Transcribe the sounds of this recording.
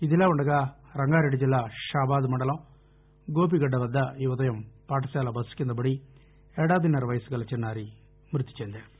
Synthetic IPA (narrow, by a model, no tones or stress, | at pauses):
iðilaːʋɐɳɖɐɣa | rɐŋɡaːɾɐɽid͡ʑilːaʃaːbaːðumɐɳɖɐlɐ | ɡoːp̬iɣɐɖːɐʋɐd̪ːɐjuʋɐd̪ɐjɐmpaːʈːɐsaːlɐbɐsi̥kʲːund̪ɐbɐɽi | eɽaːbinɐrʋɐjsɨkɐɭɐt͡ɕːenːaːɾi | mɾɨt̪ːi̥t͡ɕːend̪e